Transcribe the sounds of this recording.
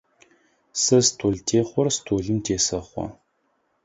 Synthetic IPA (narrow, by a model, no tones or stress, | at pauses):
sɐstʰoːɮtʰeːχʷɔrstʰoːɮɨmtʰeːsɐχʷɔ̰